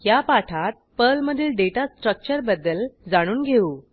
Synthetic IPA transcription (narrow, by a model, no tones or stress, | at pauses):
japaʈʰat̪̚pəlməd̪ʱiːlɖeʈasʈɾək̚t͡ɕəɾbəd̪ːəld͡zaɽ̃uːnɡʱeuː